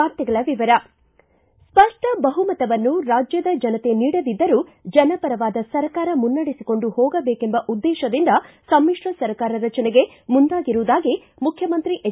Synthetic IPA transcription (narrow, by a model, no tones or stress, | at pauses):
aːɾt̪ɛɡɐɭɐʋiʋɐɾɐ | spɐʂʈɐbɐɦumɐt̪ɐʋɐnːuɾaːd͡ʒjɐd̪ɐd͡ʒɐnɐt̪e̞niːɽɐd̪id̪ːɐɾud͡ʒɐnɐpɐɾɐʋaːd̪ɐsɐɾkaːɾɐmunːɐɽisiko̞ɳɖuhoːɡɐbeːkembɐʔud̪ːɛːʃɐd̪ind̪ɐ | sɐmːiʂʈɐsɐɾkaːɾɐɾɐt͡ʃɐnɛɡe̞ | mund̪aːɡiɾuʋːd̪aːɡi | mukʰjɐmɐnt̪ɾiʔe